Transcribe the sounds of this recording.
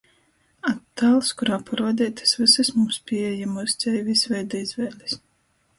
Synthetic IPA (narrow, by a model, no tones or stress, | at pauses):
at̪ːaːlˠskuɾaːpʰaɾvad̪ʲɛːt̪ɨ̥svɨsɨsmumspʲiɛjamɔsʲt̪sʲɛjvʲisvʲɛjd̪aizvɛːlʲis